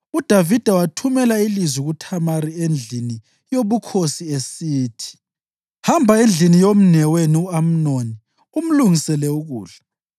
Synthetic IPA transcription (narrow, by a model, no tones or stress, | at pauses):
ud̥ʱavid̥ʱawatʰumɛlailizwiɣutʰamaɾiend͡ɮʱini | joβukʰosiesiːtʰi̥ | hambʱaend͡ɮʱinijom̩nɛweniuam̩noni | um̩luŋisɛlɛuɣṵːɮa